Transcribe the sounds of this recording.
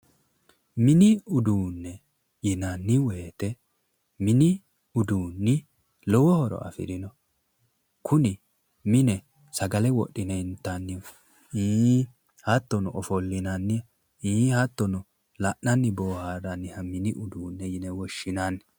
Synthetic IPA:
mɪnɪʊd̪uːnːɛ | jɪnɐnːɪweːt̪ɛ | mɪnɪ | ʊd̪uːnːɪ | lɔwɔhɔɾɔ̰ʔɐ̰fɪ̰d̪ɪnɔ | kʰʊnɪ | mɪnɛ | sɐɡɐlɛwɔ̰ɗːɪnɛɪnt̪ːanːɪ | i | hɐt̪ːɔnɔʔɔfɔlːɪnɐnːɪ | iːhɐt̪ːɔnɔ | lɐʔːɐnːɪboːhaɾɐnːɪhɐmɪnɪʔʊd̪uːnːɛjɪnɛwɔʃːɪnanːɛ

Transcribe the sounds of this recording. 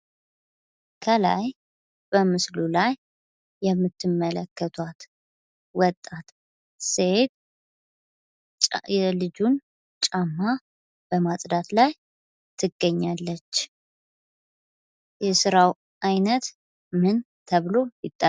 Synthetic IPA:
kʰəla̰j | b̥əmɨslulajː | ɛmːɨt̪ʰːɨmːələkːət̪ʰwat̪ | wɔt̪ʼːat̪ | set̪ | jɛlɨd͡ʒun | t͡ʃʼamːa | b̥əmasʼd̪at̪laj | t̪ʰɨɡːəɲːalːət͡ʃː | jɛsɨɾaw | ʔajnət̪ | mɨn | t̪ʰəβɨlo̞jɪt̪ʼːa

